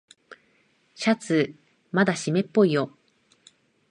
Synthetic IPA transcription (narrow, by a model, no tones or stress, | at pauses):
ɕat͡sɨ | mad̪aɕime̞pːo̞ijo̞